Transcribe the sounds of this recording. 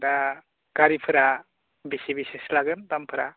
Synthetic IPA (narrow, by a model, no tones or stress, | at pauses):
da | ɡ̥aɾipʰɯɾa | bisibiseslaɡɯndampʰɯɾa